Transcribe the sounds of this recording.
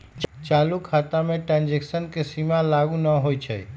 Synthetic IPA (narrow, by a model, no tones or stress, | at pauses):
t͡ʃt͡ʃalukʰat̪ameʈɾãnd͡ʒeksənkesimalaɡunəɦojt͡ʃʰəj